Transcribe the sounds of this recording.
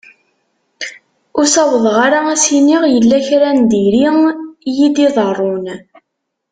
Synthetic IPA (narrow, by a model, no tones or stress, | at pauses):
ʊsɑwəðˤʁaɾaæsiniʁjəlːæçɾænd̪iɾijid̪iðˤərˤːon